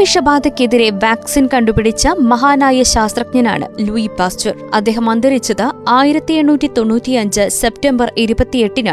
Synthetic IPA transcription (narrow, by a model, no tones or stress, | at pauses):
iʂɐbaːd̪ɐkʲːeðiɾe̞ʋaːksinkɐɳɖupiɽit͡ɕːɐmɐɦaːnaːjɐɕaːst̪rɐk̚ɲɐna̰ːɳɨ̰luipaːst͡ɕɐrɐ̰d̪ːe̞ːɦɐmɐnd̪ɐɾit͡ɕːɐðɨaːjiɾɐt̪ːieɳːuːtʲːit̪o̞nːuːtːiɐɲd͡ʑɨse̞p̚tembɐriɾubɐt̪ːije̞ʈːina̰ːɳ